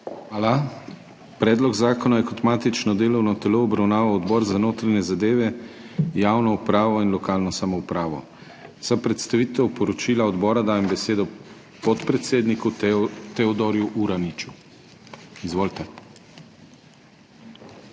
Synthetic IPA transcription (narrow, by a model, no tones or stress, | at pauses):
xʋaːla | pɾɛːd̪lɔɡzaːkɔnajɛkɔt̪maːt̪it͡ʃnɔd̪eːlɔwnɔt̪ɛloːbɾawnaːʋawɔd̪bɔːɾzanoːt̪ɾaɲɛzad̪eːʋɛ | jaːwnɔupɾaːʋɔinlɔkaːlnɔsamɔupɾaːʋɔ̰ | sapɾɛt̪st̪aʋiːt̪ɛwpɔɾɔt͡ʃiːlaɔd̪bɔːɾad̪aːjɛmbɛseːd̪ɔ | pɔt̪pɾɛt̪seːd̪nikut̪ɛɔd̪ɔɾjuʔuɾanit͡ʃu̥ | izʋoːlt̪ɛ